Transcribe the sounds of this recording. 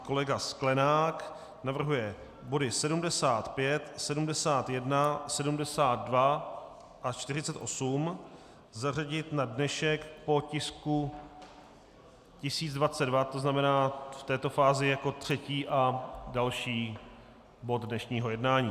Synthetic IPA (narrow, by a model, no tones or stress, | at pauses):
ko̞lɛɡasklɛnaːk | navr̩ɦujɛ | bo̞dɪsɛdumdɛsaːt̪pjɛt̪sɛdumdɛsaːt̪jɛdnasɛdumdɛsaːt̪̚dva | ʔat͡ʃt̪ɪrɪt͡sɛt̪ʔo̞sum | zaraɟɪt̪nadnɛʃɛkpo̞cɪsku | cɪsiːd͡zdvat͡sɛddvat̪o̞znamɛnaːft̪ɛːt̪o̞faːzɪjako̞t̪r̝̥ɛciːʔadalʃiː | bo̞d̪dnɛʃɲiːɦo̞jɛdnaːɲiː